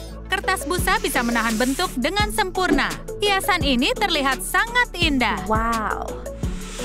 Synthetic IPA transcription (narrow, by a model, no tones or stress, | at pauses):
kərt̪asbusabisamənaɦanbənt̪ʊk̚dəŋansəmpurna̰ | t̪iasaninit̪ərliɦat̪̚saŋat̪indahwaw